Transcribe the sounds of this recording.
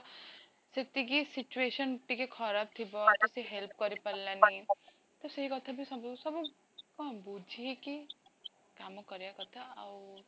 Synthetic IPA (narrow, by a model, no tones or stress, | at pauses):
set̪iɡisɪt͡ʃueːʃənʈikekʰɔɾaːb̚t̪ʰibɔt̪usiɦelp̚kɐɾipɐlːani | t̪ɔsɐɦikɐt̪ʰabʱisɐbsɐbo | kabuːd͡ʒʱiɦɛki | kaːmõkɐɾejakɐt̪ʰaɐ